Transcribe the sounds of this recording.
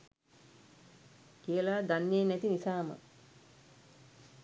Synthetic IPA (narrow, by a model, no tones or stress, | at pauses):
kijəlaːd̪anjenæt̪inisaːmə̰